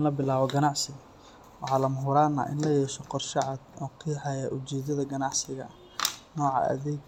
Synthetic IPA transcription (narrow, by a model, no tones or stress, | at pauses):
nlɐbɪlaːβɔɡɐnɑʕsɪ | wɑħɑːlɐmʊɦʊɾaːnːɐ̰ʔɪ̰nlɐjɛːʃɔqɔrʃɑʕɑd̪ɔːkʰiħɑjaʔʊt͡ʃɛːd̪ɐðɐɡɐnɑʕsɪɣɐ̰ | nɔːʕɑ̰ʔɐ̰ðɛɡ